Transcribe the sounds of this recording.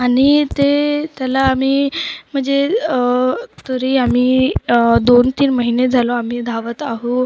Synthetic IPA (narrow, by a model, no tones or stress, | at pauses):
aɽ̃it̪et̪jalaːm̤iːm̤əɳd͡ze | t̪əɾiamiː | d̪ont̪iːnməɦined͡zʱaloam̤iːd̪ʱaʋət̪aɦu